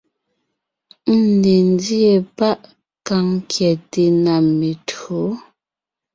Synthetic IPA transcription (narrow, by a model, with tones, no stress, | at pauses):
n̩˦ne˨n˦di˦e˦˨pa˦ʔ | ka˦ŋ˦kjɛ˨te˨na˨me˨tɰo˨˦